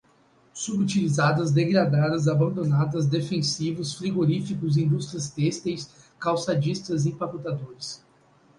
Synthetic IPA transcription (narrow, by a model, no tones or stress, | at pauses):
subut͡ʃilizad̪ɐzd̪eɡɾad̪ad̪ɐzabɐ̃nd̪onad̪ɐzd̪efẽsivʊsfɾiɡoɾifikʊzĩnd̪ust̪ɾiɐst̪ɛst̪ejs | kawsad͡ʒist̪ɐzĩpaput̪ad̪oɾɪs